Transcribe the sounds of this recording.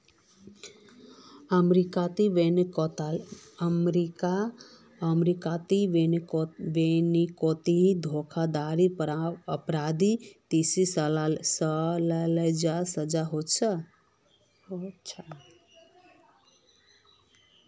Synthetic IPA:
əmɾikat̪iʋent̪əmɾika | əmɾikat̪iʋeʋenikot̪iɦid̪ʱokʰad̪aɾiɾəpɾad̪it̪isissəlaləjd͡ʒasəd͡ʒaɦott͡ʃʰə | ot͡ʃʰa

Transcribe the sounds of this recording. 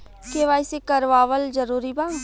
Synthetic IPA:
keʋaːisekɐɾʋaːʋəld͡ʒɐɾuːɾibãː

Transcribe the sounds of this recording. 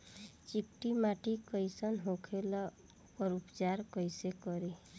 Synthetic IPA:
t͡ʃikʈimaʈikəjsənɦokʰelɔ | pɔɾupt͡ʃaɾkʌjsekɔɾe

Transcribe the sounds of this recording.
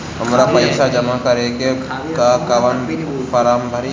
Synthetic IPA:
ɦəmɾapəɪʃad͡ʒəmakɐɾeɡe | kakaʋən | paːɾaːmbʱəɾi

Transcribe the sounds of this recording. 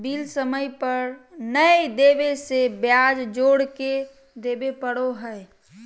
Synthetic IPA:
biːlsəməjpəɾnəed̪eːbesebjad͡ʒd͡ʒoːɽke | d̪eːbepəɽoɦəe

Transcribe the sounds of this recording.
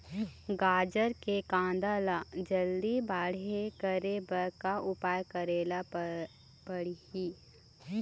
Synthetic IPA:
ɡaːd͡ʒəɾkekãːnd̪aːlad͡ʒəld̪ibaːɽekəɾebəɾkaʊpaːjkəɾeːla | pəɽihiː

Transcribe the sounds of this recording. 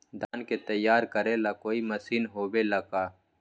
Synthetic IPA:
d̪aːnket̪ɐjːaːɾkɐɾẽlakoːimɐsiːnɦoːbelɐkaː

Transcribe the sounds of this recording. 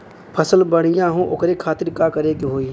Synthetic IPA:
pʰɐsəlbəɽ̃ɪjãɦũʔʊ̰kɾekʰaːt̪ɪɾkakɐɾekeɦoːiː

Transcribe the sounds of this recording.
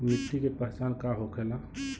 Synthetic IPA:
mɪt̪ːikepəɦt͡ʃaːnkaɦokʰela

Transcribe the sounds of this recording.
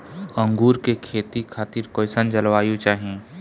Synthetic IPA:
ə̃ŋɡuːɾkekʰeːt̪ikʰaːt̪ɪɾkoːjsənd͡ʒɐlʋaːjõt͡ʃaːɦiẽː

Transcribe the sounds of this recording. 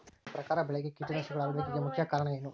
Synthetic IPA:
pɾɐkaːɾɐbɛɭeɡekiːʈːunɐʂɐɡɐɭaːʋɐd̪ʋɐɡiɡemukʰjɐkaːɾɐɳɐjenːu

